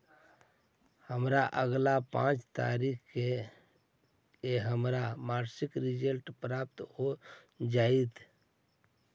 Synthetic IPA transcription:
həmɾaʔəɡlapã̰t͡ʃt̪a̰ɾikke | keɦəmɾamaɾsikɾid͡ʒəlʈpɾap̚t̪ɦo | d͡ʒait̪ʰ

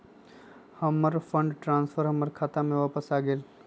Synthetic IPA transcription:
həməɾfʰə̃ɳɖʈɾãːnsfʰəɾɦəməɾkʰaːt̪amẽʋaːpəsaːɡeːl

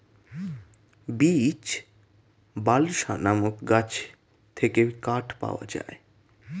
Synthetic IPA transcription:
bit͡ɕ | balʃanamokɡat͡ɕ | t̪ʰekekaʈpa̰oa̰d͡ʑa̰e

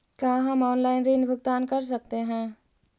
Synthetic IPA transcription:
kaːɦɐmɔːnlaːɪnɾiːnbʱʊɡt̪aːnkɐɾs̬ɐk̚t̪eɦɛ̃ː

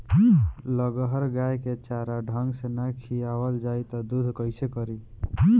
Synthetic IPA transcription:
ləɡəɦəɾɡajket͡ʃaɾaɖʱəŋɡsenajkʰijawəld͡ʒajt̪ɔd̪ud̪ʱkəjsekəɾi

